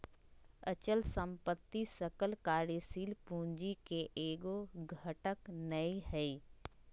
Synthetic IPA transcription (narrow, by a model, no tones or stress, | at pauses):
ət͡ʃəlsə̃mpət̪ːisəkəlkaːɾesiːlpũːɲd͡ʒikeʔeːɡoɡʱəʈəknɐihɛi